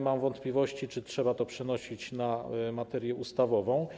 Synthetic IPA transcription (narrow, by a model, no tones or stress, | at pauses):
mamvɔnt̪pʲlʲivɔɕt͡ɕit͡ʂɘtʂɛbat̪ɔpʂɛnɔɕit͡ɕnamat̪ɛɾjɛust̪avɔvɔ̃w̃